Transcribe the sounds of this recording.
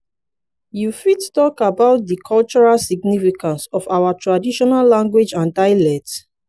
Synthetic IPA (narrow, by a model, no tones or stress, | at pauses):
jufittɔkabaʊt̚dikʰɔlt͡ʃɔɹalsiɡnifikãnsɔfawatɹadiʃɔnalːãŋɡwed͡ʒãndaɪlɛt